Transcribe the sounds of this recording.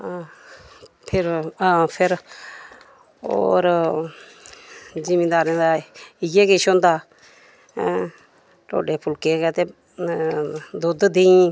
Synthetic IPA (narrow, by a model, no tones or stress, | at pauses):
pʰɪɾapʰɪɾ | o̰ːɾ | d͡ʒimĩːd̪aːɾẽd̪aːɪɡeːkeːʃõːnd̪aː | ʈo̰ːɖeːpʰʊlkeːkɛːt̪eː | d̪od̪d̪eĩ